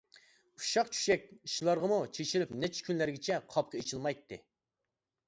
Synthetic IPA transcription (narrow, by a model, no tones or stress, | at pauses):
u̥ʃɑqt͡ʃʰy̥ʃɛkʲiʃlˠɑɾʁəmut͡ʃʰet͡ʃʰilypnɛt͡ʃʰkʲʰynlæɾɡʲɪt͡ʃʰɛqʰɑp̚qʰəet͡ʃʰilˠmɑjt̪ʰːɨ